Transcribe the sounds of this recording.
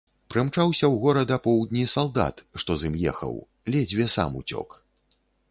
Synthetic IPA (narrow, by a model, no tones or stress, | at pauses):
pɾɨmt͡ʂawsʲɐwɣɔɾɐd̪ɐpɔwd̪̚ʲnʲisalˠd̪a̰t̪ʂt̪ɔzɨmjɛ̰xɐ̰w | lʲɛd͡zʲvʲɛsa̰mṵt͡sʲɔ̰k